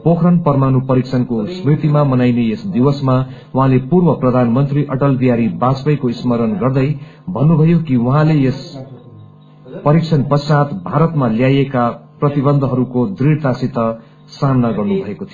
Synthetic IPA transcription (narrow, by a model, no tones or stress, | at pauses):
pokʰrʌnpʌrmanupʌɾikt͡sʰʌnkosmrit̪imamʌnajnejesd̪iwʌsma | wuɦãlepurbʌprʌd̪ʱanmʌnt̪riʔʌʈʌld̪ijaɾibat͡spʌjkoismʌɾʌnɡʌrd̪ʌjbʱʌnːubʱʌjokiwʌɦãlejes | pʌɾikt͡sʰʌnpʌsat̪bʱaɾʌt̪maljajekaprʌt̪ibʌnd̪ʱɦʌɾukod̪riɽt̪asit̪ʌ | samnaɡʌrnubʱʌekot̪ʰijo